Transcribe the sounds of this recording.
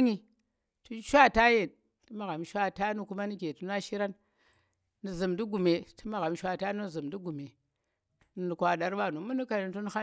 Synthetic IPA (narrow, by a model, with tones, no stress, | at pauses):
ɲi˦ | tu˦ʃʷa˦˨ta˦je˨n | ti˦ma˨ɣa˨mʃʷa˦ta˦nu˦ku˦ma˦ni˦ke˨tu˦na˦ʃi˦ɾa˦nː | i˨zi˨mdi˦ɡu˨me˨tu˦ma˨ɣa˨m˦ʃʷa˦ta˦nu˦˨zi˨m˨di˦ɡu˨me˨ | nu˨nu˨kʷa˨ɗa˨ɾɓa˦˨nu˨mu˦nu˦ka˨ni˨˦tu˦n˦xa˦